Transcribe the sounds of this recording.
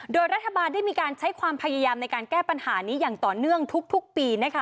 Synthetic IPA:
doː˧jɾa˦˥t̪ʰːa˧baː˧nda˥˩jmiː˧kaː˧nt͡ɕʰa˦˥jkʰwaː˧mpʰa˧jaː˧jaː˧mna˧jkaː˧nkɛː˥˩pa˧nhaː˩˦niː˦˥jaː˨˩ŋt̪ɔː˨˩nɯ˥˩əŋt̪ʰu˦˥k̚t̪ʰu˦˥k̚piː˧na˦˥kʰa˦˥˩

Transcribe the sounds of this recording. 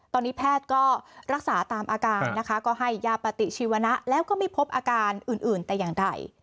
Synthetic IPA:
t̪ɔː˧nːiː˦˥pʰɛː˥˩t̪̚kɔː˥˩ɾa˦˥k̚saː˩˦t̪aː˧mʔaː˧kaː˧nːa˦˥kʰa˦˥kɔː˥˩ɦa˥˩jːaː˧˩pa˧t̪i˨˩t͡ɕʰiː˧˩wa˧na˦˥ʔlɛː˦˥wkɔː˥˩miː˧˥˩pʰo˦˥p̚ʔaː˧kaː˧nʔɯː˨˩nʔɯː˨˩nt̪ɛː˨˩jaː˨˩ŋda̰˨˩j

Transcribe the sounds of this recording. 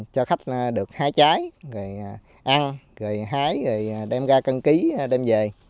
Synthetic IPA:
t͡ɕɔ˧xa˦˥jk̟̚ːɗɨ˨˩ək̚haː˨˦jt͡ɕaː˨˦jɣəː˨˩j | ʔa˧nɣəː˨˩jɦaː˨˦jɣəː˨˩jɗɛ˧mɣaː˧kə˧nki˨˦ɗɛ˧mze˨˩

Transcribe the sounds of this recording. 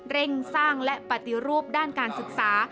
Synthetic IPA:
ɾe˥˩ŋsaː˥˩ŋlɛ˦˥pa˨˩t̪i˨˧ɾuː˥˩p̚daː˥˩nkaː˧nsɯ˨˩k̚saː˩˦

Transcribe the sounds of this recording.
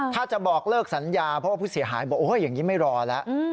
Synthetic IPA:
t̪ʰaː˥˩t͡ɕa˨˩bɔː˨˩k̚lɤː˥˩k̚sa˩˦njaː˧pʰɔ˦waː˥˩puː˥˩si˩˦ɦaː˨˩˦jbɔː˨˩kʔoː˧˥ja˨˩ŋːniː˦˥ma˥˩jɾɔː˧lɛ˦˥ʔ

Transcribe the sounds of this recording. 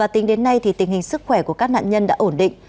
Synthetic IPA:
aː˨˩t̪i˨˦ŋɗe˨˦nːa˧jt̪ʰi˨˩t̪ï˨˩ŋ̟hï˨˩ŋ̟sɨ˦˥k̚xwɛ˧˩ku˧˩əkaː˦˥k̚na̰ː˧˨nɲə˧nɗa̰ː˧˥ʔo˧˩nɗḭ˧˨ŋ̟

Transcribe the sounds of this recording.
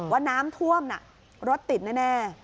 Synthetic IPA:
waː˦˥˩naː˦˥mt̪ʰu˥˩əmna˨˩ʔ | ɾo˦˥t̪ːi˨˩t̪̚na˥˩nɛː˥˩

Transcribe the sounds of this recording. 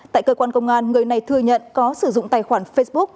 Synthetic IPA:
t̪a̰ː˧˨kəː˧kwaː˧nkə˧wŋ͡mʔaː˧nŋɨ˨˩əjna˨˩jt̪ʰɨ˧əɲə̰˧˨nkɔ˨˦sɨ˧˩zʊ̰˧˨ŋ͡mt̪aː˨˩jxwaː˧˩nfe˧sɓʊ˦˥k̚

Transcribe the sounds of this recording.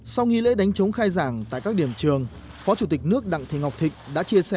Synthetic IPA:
sa˧wŋi˧lḛ˧˥ɗa˨˦jŋ̟t͡ɕə˨˦wŋ͡mxaː˧jzaː˧˩ŋt̪a̰ː˧˨jkaː˦˥k̚ɗi˧˩əmt͡ɕɨ˨˩əŋ | fɔ˨˦t͡ɕu˧˩t̪ï˨˩k̚nɨ˦˥ək̚ɗa̰˧˨ŋt̪ʰḭ˨˩ŋa˨˩wk͡p̚t̪ʰï˨˩k̟̚ɗa̰ː˧˥t͡ɕi˧əsɛ˧˩

